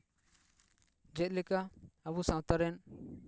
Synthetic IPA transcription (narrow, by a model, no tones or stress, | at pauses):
d͡ʒɛt̪̚ˀlɛkaabusãwt̪aɾɛn